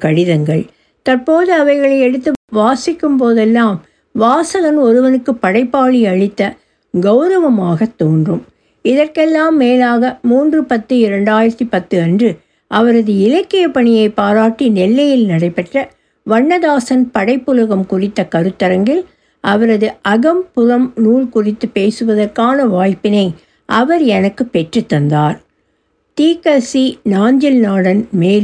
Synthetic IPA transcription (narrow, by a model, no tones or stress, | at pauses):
kɐɽɪðɐŋɡɐɭ | t̪ɐrpoːðɯɐʋɐɪɣɐɭɐɪɛɽɯt̪ːɯʋaːsɪkːɯmpoːðɛlːaːm | ʋaːsɐɣɐnɔɾɯʋɐnɯkːɯpːɐɽɐɪpːaːɭiɐɻɪt̪ːɐ | ɡɐʊɾɐʋɐmaːɣɐt̪ːoːndrɯm | ɪðɐrkɛlːaːmːeːlaːɣɐmuːndrɯpɐt̪ːɯɪɾɐɳɖaːjɪɾɐt̪ːipɐt̪ːɯɐndrɯ | ʔɐʋɐɾɐðɯɪlɐkːɪjɐpɐɳɪjɐɪpaːɾaːʈːinɛlːɐjɪlnɐɽɐɪpːɛʈrɐ | ʋɐɳːɐðaːsɐnpɐɽɐɪpːɯlɯɣɐmkʊrɪt̪ːɐkɐɾɯt̪ːɐɾɐŋɡɪl | ʔɐʋɐɾɐðɯʔɐɣɐmpʊðɐmnuːlkʊrɪt̪ːɯpeːsɯʋɐðɐrkaːnɐʋaːjpːɪnɐɪ | ʔɐʋɐɾɛnɐkːɯpɛʈrɯt̪ːɐnd̪aːɾ | t̪iːkɐsinaːnd͡ʒɪlnaːɽɐnmeːl